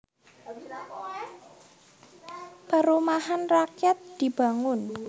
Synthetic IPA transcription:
paɾumahanrakjat̪̚d̪̥i̤b̥a̤ŋʊn

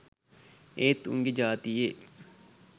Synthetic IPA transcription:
eːt̪ṵŋɡed͡ʒaːt̪ieː

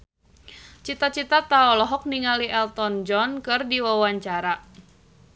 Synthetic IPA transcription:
t͡ʃit̪at͡ʃit̪at̪aɔlɔɦɔk̚niŋaliʔɛlt̪ɔnd͡ʒɔnkɨrdiwawaɲt͡ʃaɾa

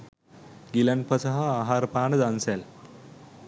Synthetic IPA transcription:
ɡilɐnpəsaɦaːɦaɾpaːnəd̪ansɛl

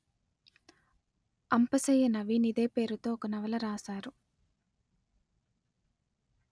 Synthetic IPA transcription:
ɐmpɐsɐjɐnɐʋinid̪e̞ːpe̞ːɾut̪o̞ːɔkɐnɐʋɐlɐɾaːsaːɾu

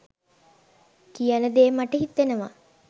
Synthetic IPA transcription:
kijanəd̪eːmaʈəɦit̪ːenəʋa̰

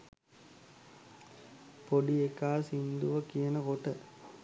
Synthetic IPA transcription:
poɖiekaːsind̪uʋəkijənəkoʈə

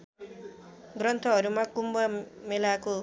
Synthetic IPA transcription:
ɡrʌnt̪ʰʌʌɾumakumbʌmelako

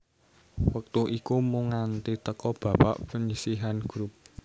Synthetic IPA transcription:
wək̚t̪uʔikumuŋant̪it̪əkɔb̥ä̤pa̰ʔpəɲisiɦanɡ̥ɾup̚

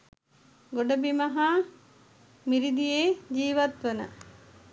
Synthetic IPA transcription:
ɡoɖəbimɐɦa | miɾid̪ijeːd͡ʒiːʋat̪ʋənə̰

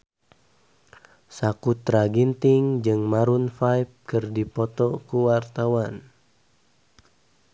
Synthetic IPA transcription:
sakut̪ɾaɡint̪ɪŋd͡ʒɨŋmaɾunfajp̚kɨrdipɔt̪ɔkuwart̪awan

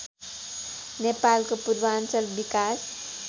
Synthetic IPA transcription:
nepalkopuɾbansəlbikas

